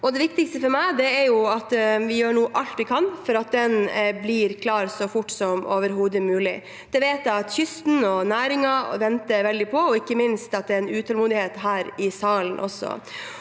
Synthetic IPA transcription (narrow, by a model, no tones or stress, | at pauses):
ɔd̪ɛʋɪkt̪ɪkst̪əfɔɾmæɪd̪ɛæɾjʊɑt̪ʋɪjøːɳuːʔɑlt̪ʋɪkʰɑnfɔɾɑt̪̚d̪ɛnblɪɾkʰlɑːɾsɔfʊʈːsɔmo̰ːʋəɾɦuːd̪əmʉːlɪ | d̪̥ɛʋeːt̪jæɪɑt̪çʏst̪n̩ɔnæːɾɪŋɑʋɛnt̪əʋɛld̪ɪpʰɔɔɪkːəmɪnst̪ɑt̪̚d̪ɛɾɛnʉːt̪ʰɑlmuːd̪ɪheːt̪ɦæːɾɪsɑːlən̩ʔɔ̰sːɔ̰